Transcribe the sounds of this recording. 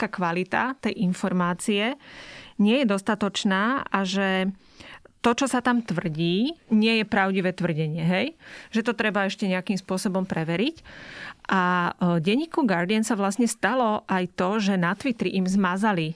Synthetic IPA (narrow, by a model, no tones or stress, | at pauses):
kaːkʋalit̪a̰t̪ɛjʔinfɔɾmaːt͡siɛɲɪɛjɛd̪ɔst̪at̪ɔt͡ʃnaːʔaʒɛ | t̪ɔt͡ʃɔsat̪amt̪ʋr̩ɟiːɲɪɛjɛpɾaʊɟiʋɛt̪ʋr̩ɟɛɲɪɛɦɛjʒ̥ɛt̪ɔt̪ɾɛbaɛʃcɛɲɛakimspʊɔsɔbɔmpɾɛʋɛɾicʔaɟɛɲːiːkuɡaɾd̪iɛnsaʋlastɲɛst̪alɔʔajt̪ɔʒɛnat̪ʋit̪ɾiʔimzmazali